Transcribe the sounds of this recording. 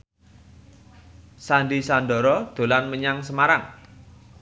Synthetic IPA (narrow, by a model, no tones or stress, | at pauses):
sanɖisand̪ɔ̤ɾɔd̪̥o̤lanməɲaŋsəmaɾaŋ